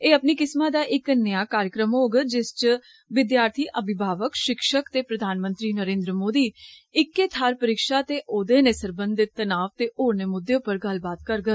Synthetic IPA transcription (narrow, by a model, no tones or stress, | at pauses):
eːəpniːkɪsmãːd̪aːʔɪknəjaːkaːɾjəkɾəmɦoːɡəd͡ʒɪst͡ʃ | ʋɪd̪jaːɾt̪ʰiːʔəbɪbʱaːʋəkʃɪkʃəkt̪eːpɾəd̪ʱaːnmə̃nt̪ɾiːnəɾẽːnd̪ɾəmoːd̪iːɪkːeːt̪ʰaːɾpəɾɪkʃaːt̪eːʔoːd̪eːnẽːsəɾbə̃nd̪ɪt̪ːənaːʋt̪eːʔoːɾnəmʊd̪jõːpəɾɡəlbaːt̪kəɾɡə